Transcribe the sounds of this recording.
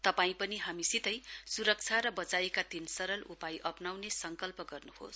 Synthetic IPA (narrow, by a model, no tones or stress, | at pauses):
t̪ʌpaĩpʌniɦamisit̪ʌjsuɾʌk̚t͡sʰaɾʌbʌt͡saekat̪insʌɾʌlʔupajʔʌpnawnesʌŋkʌlpʌɡʌrnuho̰s